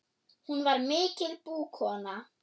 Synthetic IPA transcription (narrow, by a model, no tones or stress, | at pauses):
hunʋaɾmet͡sʰɪlb̥uːkʰɔna